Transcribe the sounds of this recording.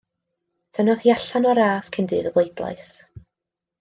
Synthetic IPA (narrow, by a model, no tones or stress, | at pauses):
sʰɛnɔð̥hiaɬanɔɾaːskʰɪndɨðəwlˠejdlˠa̰js